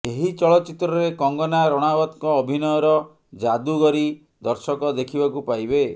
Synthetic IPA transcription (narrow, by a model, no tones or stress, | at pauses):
eɦit͡ʃɔɭɔt͡ʃit̪ɾɔɾekɔŋɡɔnaɾɔɽ̃abɔt̪kɔːbʱinɔjɔɾɔ | d͡ʒad̪uɡɔɾi | d̪ɔɾsɔkɔd̪ekʰibakupajbe